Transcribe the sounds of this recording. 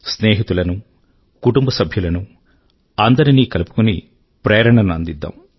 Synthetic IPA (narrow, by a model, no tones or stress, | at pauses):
sneːɦit̪ulɐnu | kuʈumbɐsɐbʱjulɐnu | ɐnd̪ɐɾiniːkɐlupu̥kunḭ | pɾeːɾɐɳɐnɐ̰nd̪id̪ːa̰ːm